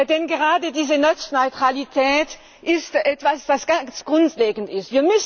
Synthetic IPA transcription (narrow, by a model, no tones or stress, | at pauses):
dɛnɡəʁaːdədiːzənɔt͡snɔʏtʁ̥alitʰɛːt | ʔɪstʔɛtv̥asv̥asɡ̥at͡sɡ̥ʁʊntleːɡn̩tɪstviːɐmʏs